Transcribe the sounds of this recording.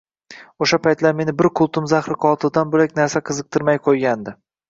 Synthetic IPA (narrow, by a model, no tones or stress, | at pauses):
oʃapʰajt̪laɾme̞nɪbɪɾqʰʊlˠt̪ʰʊmzaχɾɪqʰɒlˠt̪ʰɪd̪anbolakʲnaɾsaqʰɨzɨq̚t̪ʰɪɾmajqʰojɡʲand̪ɪ